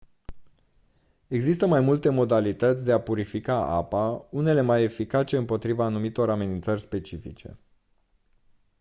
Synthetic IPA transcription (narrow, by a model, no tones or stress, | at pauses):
e̞ɡzist̪əmajmult̪e̞mo̞d̪alit̪ət̪sʲd̪e̞apuɾifikaa̰paune̞le̞maje̞fikat͡ʃe̞ɨmpo̞t̪ɾivaːnumit̪o̞ɾame̞nint̪sərʲspe̞t͡ʃifḭt͡ʃe̞̰